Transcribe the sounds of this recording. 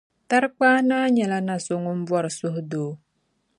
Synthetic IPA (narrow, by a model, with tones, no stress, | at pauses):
t̪ark͡pana˦ɲa˨lana˨so˨ŋumbwa˨rsuhdo˨